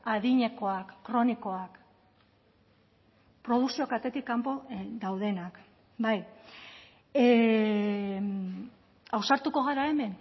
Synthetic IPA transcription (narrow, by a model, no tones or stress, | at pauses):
aðiɲe̞ko̞akːɾo̞niko̞ak | pɾo̞ð̞uksiokat̪e̞t̪ikːampo̞ðawð̞e̞nak | baj | e | awsaɾt̪uko̞ɣ̞aɾae̞me̞n